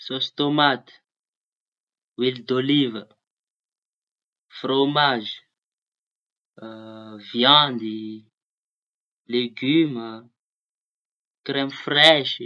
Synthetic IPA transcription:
sost̪omat̪i̥ | wild̪olivə | fromaʒi̥ | vjɑ̃nd̪i | leɡymə | kɾɛmfrɛʃi

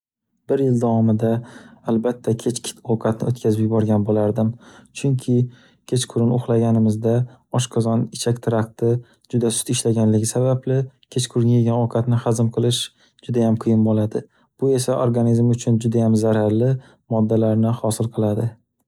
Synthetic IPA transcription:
b̥ɪɾjɪld̪awɒmɪd̪aːlbat̪ʰːakʲʰe̞t͡ʃkʰʲɪ̥t̪ʰoqʰɑt̪nɪot̪̚kʲʰazɪbjbɒɾɡʲanbolaɾd̪ɪmt͡ʃʰʊŋkʲʰɪ | kʲʰe̞t͡ʃqʰʊɾɪnʊχlˠaɡʲanɪmɪzd̪aɒʃqʰɑzɒnɪt͡ʃʰakʲt̪ʰɪɾakt̪ɪ | d͡ʒʊd̪asʊ̥t̪ɪʃlaɡʲanlɪɡʲɪsabablɪkʲʰe̞t͡ʃqʰʊɾɪnʲeɡʲanoqʰɑt̪nɪχazɪmqʰɨlˠɪʃ | d͡ʒʊd̪ajamqʰɨjɪnbolad̪ɪ | b̥ʊe̞saʔoɾɡanizmʊt͡ʃʰʊnd͡ʒʊd̪ajamzaɾaɾlɪ | mɒd̪ːalaɾnɪhɒsɪlˠqʰɨlˠad̪ɪ

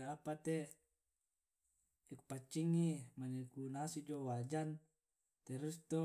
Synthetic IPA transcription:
aapat̪e | eku̥pat͡ʃːiŋimanekunasid͡ʒowad͡ʒan | t̪eɾust̪o

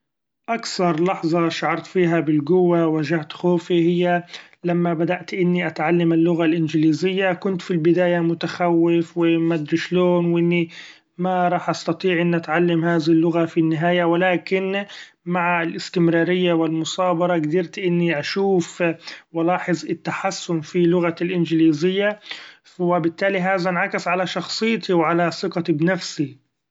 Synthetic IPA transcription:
ʔakθɑɾˤlɑħzˤɑʃaʕɑɾˤt̪fiːɦabɪlɡʊwːawaʒaht̪xoːfihɪjːa | lamːabad̪aʔt̪ʔɪnːiʔat̪ʕalːamɪlːʊɣalʔɪnd͡ʒɪliːzɪjːakʊnt̪filbɪd̪aːjamʊt̪axawːɪfwɪmad̪ɾɪʃloːnwʔɪnːi | maɾˤɑːħʔɑst̪ɑt̪ˤiːʕʔɪnːʔat̪ʕalːamhaːðɪhɪlːʊɣafinːɪɦaːjawɪlaːkɪn | maʕalʔɪst̪ɪmɾɑːɾɪjːawɪlmʊsˤɑːbɑɾˤɑɡd̪ɪɾt̪ʔɪnːiʔaʃuːfwalɑːħɪzˤɪt̪ːaħasːʊmfilʊɣalʔɪnd͡ʒɪliːzɪjːa | wɪbɪt̪ːaːliɦaːðanʕakɪsʕalaʃɑxsˤɨjːt̪ʰiwʕalasɪqɑt̪ibnafsi

